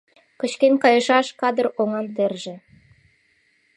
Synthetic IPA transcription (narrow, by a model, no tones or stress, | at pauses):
kə̆t͡ɕkenkɑjɤ̆ʃɑʃkɑd̪ə̆roŋɑnt̪erʒĕ